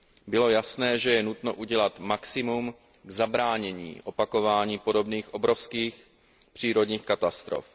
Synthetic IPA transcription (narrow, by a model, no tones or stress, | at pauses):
bɪlo̞jasnɛːʒɛjɛnut̪no̞ʔuɟɛlat̪maksɪmum | ɡzabɾaːɲɛɲḭːʔo̞pako̞vaːɲiːpo̞do̞bniːxʔo̞bɾo̞fskiːx | pr̝̥iːɾo̞dɲiːxkat̪ast̪ɾo̰f